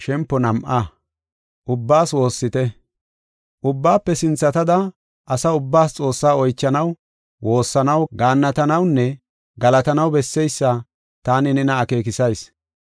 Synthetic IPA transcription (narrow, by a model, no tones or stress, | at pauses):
ʃɛmpːɔnɐmʔɐ | ʔʊbːaːswo̞ːsːɪt̪ɛ | ʔʊbːaːpːɛsɪnt͡sːɐt̪ɐd̪ɐ | ʔɐsɐʊbːaːst͡sʼo̞ːsːaːɔjt͡ʃːɐnɐw | wo̞ːsːɐnɐwɡaːnːɐt̪ɐnɐwnːɛ | ɡɐlɐt̪ɐnɐwbɛsːɛjsːɐ | t̪aːnɪnɛnɐːke̞ːkɪsɐjs